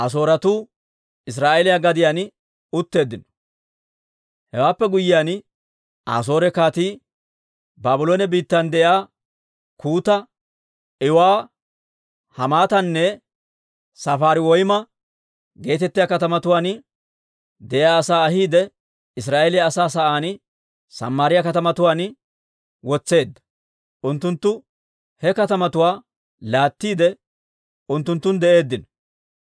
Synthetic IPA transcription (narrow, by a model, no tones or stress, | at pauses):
ʔɐs̬o̞ːɾɐt̪uː | ɪs̬ɾaːʔelɪjaɡɐd̪ɪjan | ʊt̪ːe̞ːd̪ːɪnɔ̥ | hɛwaːpːɛɡʊjːɪjan | ʔa̰ːs̬o̞ːɾɛkaːt̪iː | baːbʊloːnɛbiːt̪ːɐnd̪ɛʔjaː | kuːt̪ɐ | ɪwaː | hɐmaːt̪ɐnːɛ | sɐfaːɾɪwɔjmɐ | ɡe̞ːt̪ɛt̪ːɪjakɐt̪ɐmɐt̪ʊwaːn | d̪ɛʔaːɐsaːɐɦiːd̪ɛ | ɪs̬ɾaːʔelɪjɐːsaːs̬ɐʔaːn | sɐ̰mːaːɾɪjɐkɐt̪ɐmɐt̪ʊwaːn | wɔt͡sːe̞ːd̪ːɐ̥ | ʔʊnt̪ːʊnt̪ːʊ | hɛkɐt̪ɐmɐt̪ʊwaː | laːt̪ːiːd̪ɛ | ʔʊnt̪ːʊnt̪ːʊnd̪ɛʔe̞ːd̪ːɪn